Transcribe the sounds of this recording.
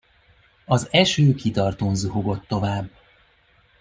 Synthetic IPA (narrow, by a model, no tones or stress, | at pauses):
ɒzɛʃøːkit̪ɒrt̪oːnzuɦo̞ɡo̞t̪ːo̞vaːbː